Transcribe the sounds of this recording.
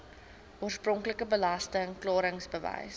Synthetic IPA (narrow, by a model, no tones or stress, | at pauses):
uərsprɔŋkləkəbəlɐstəŋklɑːɾəŋsbəvɛ̰js